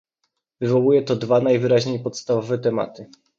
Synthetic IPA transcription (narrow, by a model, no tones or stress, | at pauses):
vɘvɔwujɛt̪ɔd̪vanajvɘɾaʑɲejpɔt̪st̪avɔvɛt̪ɛma̰t̪ɘ